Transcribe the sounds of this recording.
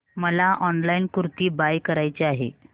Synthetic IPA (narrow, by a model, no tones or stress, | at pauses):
məlaʔɔnlainkuɾt̪iːbajkəɾajt͡ɕeaɦḛ